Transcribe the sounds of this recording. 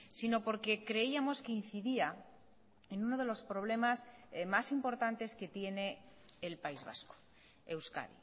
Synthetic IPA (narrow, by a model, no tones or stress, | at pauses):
sino̞po̞ɾke̞kɾe̞iamo̞ske̞in̟θiðia | e̞nuno̞ð̞e̞lo̞spɾo̞β̞le̞masmasimpo̞ɾt̪ant̪e̞ske̞t̪je̞ne̞ː | lpaizβa̰sko̥ | ewska̰ðḭ